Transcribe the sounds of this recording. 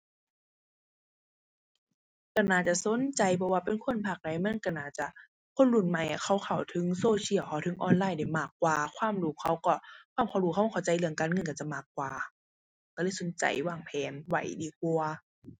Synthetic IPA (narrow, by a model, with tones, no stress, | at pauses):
ka˧˩naː˧˩t͡ɕa˧˨so˧˦nt͡ɕa˧˦jpʰɔ˧waː˧˨pe˧˨nkʰo˧˥˨npʰa˧˩k̚da˧˦jma˧˥˨nka˧˩naː˧˩t̪̚t͡ɕa˧˩ʔ | kʰo˧˥˨nlu˧˩˨nma˧˩jʔa˧˩kʰa˧˩wkʰa˨˩wt̪ʰɯ˧˦ŋsoː˧si˧˩˨wkʰa˧˩wtʰɯ˧˦ŋʔɔ̰ː˧˨nlaː˧˥˨jda˧˩jmaː˧˩kːwaː˧kʰwaː˧˥˨mɾuː˧˦kʰa˧˥˩wkɔ˧˩kʰwaː˧˩˨mkʰa˧˩wɾuː˧kʰa˧˦˨a˧a˧˩˦t͡ɕa˧˦jlɯ˧˩əŋkaː˧˨nŋɤ˧˥˨nka˧˩t͡ɕa˧˩maː˧˩kːwaː˨˧ | ka˧˩˨lɤː˧˥˨jso˨˦nt͡ɕa̰˧˨jwaː˧˩ŋpʰɛː˨˦nwa̰˧˩jdiː˧˦k̚u˧ɐ